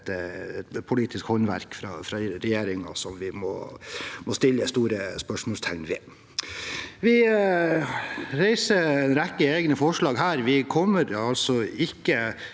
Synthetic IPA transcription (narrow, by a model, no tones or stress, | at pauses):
ɛt̪pʰʊliːt̪ɪskhɔnʋæ̰ɾkfɾɑ̰ːfɾɑɾɛjeːɾɪŋɑ̰sɔmʋɪmɔ̰mɔst̪ɪlːəst̪uːɾəspœʂmɔːst̪ʰæŋnʋɪ | ʋɪ | ɾæɪsəɾɛnɾɛkːəeːɡnəfɔʂɭɑːɡɦæːɾʋɪkʰɔmːəɾɑlsɔɪkːə